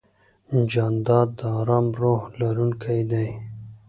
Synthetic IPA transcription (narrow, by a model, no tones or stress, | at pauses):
nd͡ʒɑnd̪ɑːd̪̚d̪əɑɾɑːmɾohlaɾunkʰajd̪aj